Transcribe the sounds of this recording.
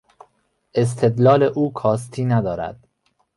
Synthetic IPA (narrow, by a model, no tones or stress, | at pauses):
ʔe̞s̬t̪ʰe̞d̪lɒːle̞ʔuːkʰɒːs̬t̪ʰiːnæd̪ɒːɾæ̰d̪̥